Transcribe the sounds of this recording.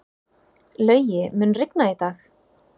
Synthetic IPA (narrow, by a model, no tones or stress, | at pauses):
lœːɥjɪmʏnrɪknait̪aːx